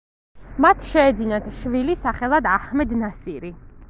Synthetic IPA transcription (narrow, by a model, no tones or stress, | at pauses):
mat̪ʰʃɛːd̪zinat̪ʰʃvilisaχɛlˠad̪ahmɛd̪nasiɾi